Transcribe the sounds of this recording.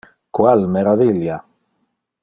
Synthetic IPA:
kwalmeɾaðilja

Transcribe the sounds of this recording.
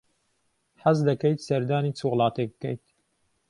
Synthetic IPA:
ħazd̪ɐkɛjt̪sɐɾd̪aːnit͡sʰuɣlˠɑːt̪ek̚b̚kɛ̰jt̪̚

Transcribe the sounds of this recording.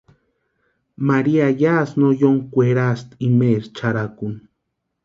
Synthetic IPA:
maɾiajasnojoŋkʷeɾast̪imeɾt͡ʃaɾakun

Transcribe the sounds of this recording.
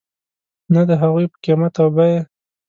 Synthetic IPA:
nad̪əɦaɣujpə̥kemat̪awbaje

